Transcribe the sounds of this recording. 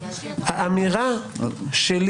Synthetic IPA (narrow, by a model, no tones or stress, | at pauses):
haʔamiʁa | ʃel